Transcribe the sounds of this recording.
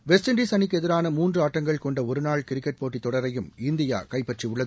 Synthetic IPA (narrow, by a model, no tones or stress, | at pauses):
ʋɛsʈɪɳɖiːsɐnɪkːɯɛðɪɾaːnɐmuːndrɯaːʈːɐŋɡɐɭkɔɳɖɐɔɾɯnaːɭkɪɾɪkːɛʈ̚poːʈːit̪ːɔɽɐɾɐjɯmɪnd̪ɪja̰ːkɐɪpːɐʈriʊɭːɐðɯ